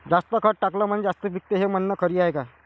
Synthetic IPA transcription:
d͡zast̪əkʰəʈ̚ʈakləm̤əɳ̃ed͡zast̪əʋik̚t̪eɦemənːəkʰəɾiːaeka

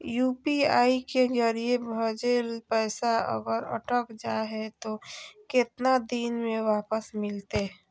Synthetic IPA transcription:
juːpiaːikezəɾiebʱəd͡ʒelpəːsaə̰ɡəɾə̰ʈəkd͡ʒaɦɛt̪okɪt̪nad̪inmẽʋaːpəsmɪlt̪e

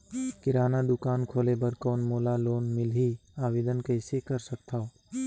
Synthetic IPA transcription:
kɪɾaːnad̪ʊkaːnkʰoːlebəɾkɔːnmoːlaloːnmɪlɦiaːʋeːd̪ənkəːsekɐɾsɐk̚t̪ʰao

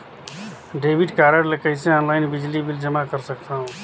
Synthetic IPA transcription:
ɖebiʈkaɾəɽlekəɪsẽɔnlaɪnbid͡ʒlibild͡ʒəmakəɾsək̚t̪aɦũ

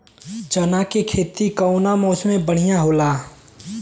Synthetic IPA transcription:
t͡ʃənakekʰeːt̪ikəʊnamɔːsmẽbəɽ̤ijãɦoːlaː

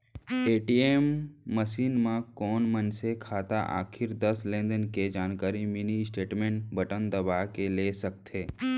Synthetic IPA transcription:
eːʈieːmːəʃiːnmãkɔːnmənsekʰaːt̪a̰ʔa̰ːkʰɪɾd̪əslẽːnd̪ənked͡ʒaːnkaːɾiminisʈeːʈmẽːɳʈbəʈənd̪ɐbaːɦkeleːsək̚t̪ʰeː

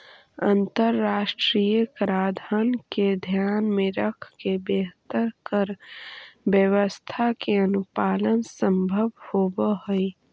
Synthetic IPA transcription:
ə̃nt̪əɾːaːʃʈɾiːjəkɾaːd̪ʱənked̪ʱjaːnmẽɾəkʰkebeːɦt̪əɾkəɾ | ʋjəwəst̪ʰakeənʊpaːlənsə̃mbʱəʋhobəɦəi

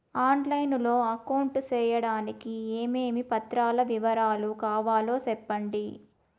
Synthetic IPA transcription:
aːnlɐjnlo̞ːɐkɐwɳʈt͡ʃɛːjɐɽaːnikieːmeːmipɐt̪ɾaːlɐʋiʋɐɾaːlukaːʋaːlo̞ːsɛpːɐɳɖi

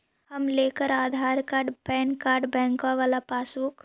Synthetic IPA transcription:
ɦɐmleːkəɾaːd̪ʱaːɾkaːɾɖbɛ̃ːnkaːɾɖbɛ̃ːŋkaʋaːlapaːsuk

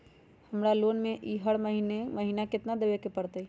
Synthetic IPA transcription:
həmɾaloːnmẽʔiɦəɽməɦiːneməɦiːnakɪt̪nad̪eʋekepəɽt̪əi

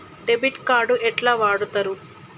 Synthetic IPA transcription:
ɖebiʈkaːɾɖuʔɛʈlaːʋaːɽut̪ɐɾu

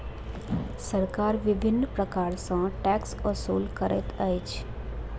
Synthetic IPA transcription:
səɾkaːɾʋɪbʱɪnːpɾəkaːɾsãʈɛksəsuːlkəɾɛ̰t̪əjt͡ʃʰ

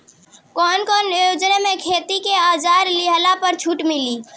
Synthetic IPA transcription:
kɔːnkɔːnjod͡ʒnamekʰet̪ikead͡ʒaɾliɦlapəɾt͡ʃʰuʈmiliː

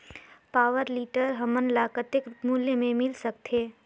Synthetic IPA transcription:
paːʋəɾliːʈəɾɦɐmənlaːkət̪ɪkmuljemẽmɪlsək̚t̪ʰeː

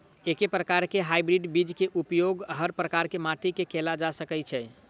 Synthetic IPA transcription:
ekepɾəkaɾkeɦajbɾiɖbid͡ʒkeʔupjoɡɦəɾpɾəkaɾkemaʈikekelad͡ʒasəkɛt͡ʃʰɛ

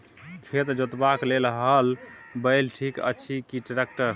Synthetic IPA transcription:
kʰet̪d͡ʒot̪baklelɦəl | bəjlʈʰikə̰t͡ʃʰikiʈɾek̚ʈəɾ

